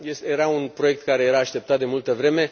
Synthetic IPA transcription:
jesjeɾaunpɾo̞je̞k̚t̪kaɾe̞je̞ɾaːʃt̪e̞p̚t̪at̪̚d̪emult̪əvɾe̞me̞

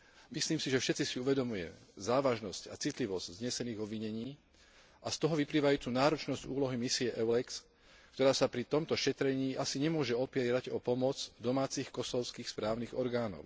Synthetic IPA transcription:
misliːmsiʒɛfʃɛt̪t͡sisiuʋɛd̪ɔmujɛ̰zaːʋaʒnɔsca̰t͡sit̪liʋɔz̥ɟ̥zɲɛsɛniːɣɔbʋiɲɛɲiː | ʔast̪ɔɦɔʋipliːʋajuːt̪unaːɾɔt͡ʃnɔzɟuːlɔɦimisiɛʔɛʊlɛks | kt̪ɔɾaːsapɾit̪ɔmt̪ɔʃɛt̪ɾɛɲiːʔasiɲɛmʊɔʒɛɔpiɛɾaɟɔpɔmɔd͡zd̪ɔmaːt͡siːxkɔsɔʊskiːxspɾaːʊniɣɔɾɡaːnɔ̰ʊ

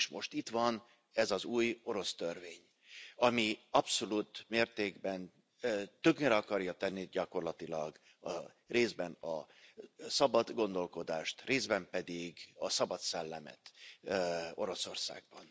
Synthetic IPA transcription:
eʃmo̞ʃt̪it̪ʋɒn | ɛzɒzuːjo̞ɾo̞st̪ørveːɲ | ɒmiɒpso̞luːt̪meːrt̪eːɡbɛnː | t̪øɡɲeɾɛɒkɒrjɒt̪ɛnːiɟɒko̞rlɒt̪ilɒɡ | ɒ | reːzbɛnɒ | sɒbɒd̪ɡo̞nd̪o̞lko̞d̪aːʃt̪reːzbɛmpɛd̪iɡɒsɒbɒt̪sɛlːɛmɛ̰t̪ | o̞ɾo̞so̞rsa̰ːɡ̚bɒn

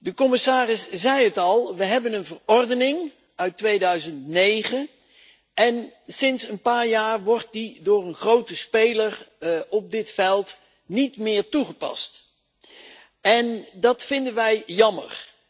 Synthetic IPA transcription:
dəkɔmɪsaːrɪszɛjətɑlˠʋəɦɛbənənvərɔɹdənɪŋ | œɥtʋejdœɥzəntnejχən | ʔɛnsɪnsənpaːɹjaːrʋɔɹt̚didʊːɹənχrowtəspejlərɔp̚dɪtfɛlˠt | nitmɪːɹtuχəpɑ̰st | ɛndɑtfɪndənʋɛjjɑmə̰ɹ

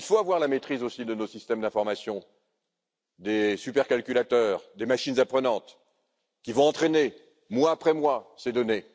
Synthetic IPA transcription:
ilfoavwaʁlamet̪χizosid̪ənosist̪ɛmd̪ɛ̃fɔʁmasjɔ̃ | d̪esypɛʁkalkʲylat̪œʁd̪emaʃinzapχənɑ̃t̪ | kʲivɔ̃ɑ̃t̪χene | mwaːpχɛmwased̪ɔne

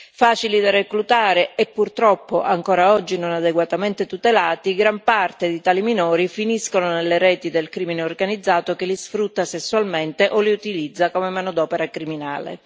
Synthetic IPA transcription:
faːt͡ʃilid̪areklut̪aːɾeɛpːurt̪ɾɔpːoʔaŋkoːɾaɔd͡ʒːinonad̪eɡwat̪ament̪et̪ut̪elaːt̪iɡɾampart̪ed̪it̪aːliminɔːɾifiniskononelːeɾɛːt̪id̪elkɾimineorɡanid̪zːaːt̪okelisfɾut̪ːasesːualment̪eʔoliut̪ilid̪zːakomemanod̪ɔːpeɾakɾimina̰ːlḛ

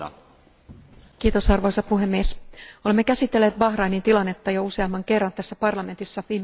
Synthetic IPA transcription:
kiːt̪o̞sɑrʋo̞jsɑpuɦe̞mːieso̞le̞mːe̞kæsit̪ːelːeːt̪bɑxrɑjnint̪ilɑnːe̞t̪ːɑjouse̞ɑmːɑŋke̞rːɑnt̪æsːæpɑrlɑme̞nt̪isːɑʋiːm

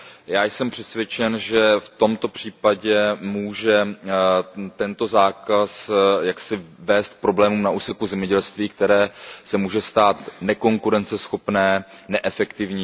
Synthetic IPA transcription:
jaːjsɛmpr̝̥ɛt̪svʲjɛt͡ʃɛnʒɛft̪o̞mt̪o̞pr̝̥iːpaɟɛmuːʒɛ | t̪ɛnt̪o̞zaːkasjaksɪvɛːst̪̚pɾo̞blɛːmuːmnaʔuːsɛkuzɛmɲɛɟɛlst̪viːk̚t̪ɛɾɛːsɛmuːʒɛst̪aːt̪nɛko̞ŋkuɾɛnt͡sɛsxo̞pnɛːnɛʔɛfɛkt̪ɪvɲiː

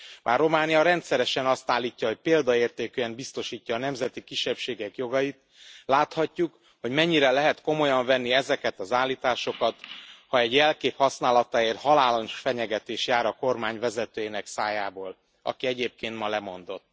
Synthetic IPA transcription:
mʔaːrːo̞maːnijɒɾɛnt̪sɛɾɛʃɛnɒst̪aːlːiːcːɒɦo̞c̚peːld̪ɒeːrt̪eːkøːɛmbist̪o̞ʃiːcːɒːnɛmzɛt̪ikiʃːɛpʃeːɡɛkjo̞ɡɒjit̪ | laːt̪hɒcːuk | ho̞ɟmɛɲːiɾɛlɛɦɛt̪ko̞mo̞jɒɱvɛnːiɛzɛkɛt̪ɒzaːlːiːt̪aːʃo̞kɒt̪hɒɛɟjɛlkeːphɒsnaːlɒt̪aeːrt̪hɒlaːlɒnʃfɛɲɛɡɛt̪eːʃjaːɾɒko̞rmaːɲvɛzɛt̪øːjenɛksaːjaːboːl | ɒ̰kiɛɟeːp̚keːnt̪mɒlɛmo̞nd̪o̞t̪ː

